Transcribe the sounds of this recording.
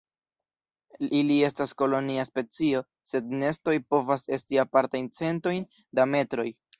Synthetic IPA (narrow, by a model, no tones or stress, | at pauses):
ilie̞stasko̞lo̞niaspe̞t͡sio̞ | se̞d̚ne̞sto̞jpo̞vase̞stiapaɾtajnt͡se̞nto̞jn | dame̞tɾo̞j